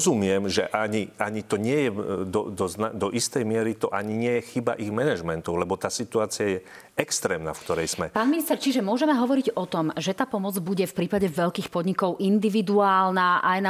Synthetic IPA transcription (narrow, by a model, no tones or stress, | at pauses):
zumɪɛmʒɛ̰ʔaɲiaɲit̪ɔɲɪɛjɛd̪ɔ̰d̪ɔznad̪ɔʔist̪ɛjmɪɛɾit̪ɔʔaɲiɲɪɛjɛxiba̰ʔiɣmɛnɛʒmɛnt̪ɔʊlɛbɔt̪aːsit̪uaːt͡siajɛ | ɛkst̪ɾɛːmna̰fkt̪ɔɾɛjz̥mɛpaːnminist̪ɛɾt͡ʃiʒɛmʊɔʒɛmɛɦɔʋɔɾiɟɔt̪ɔmʒɛt̪aːpɔmɔd͡zbuɟɛfpɾiːpaɟɛʋɛʎkiːxpɔd̪ɲikɔʊʔind̪iʋid̪uaːlnaʔajna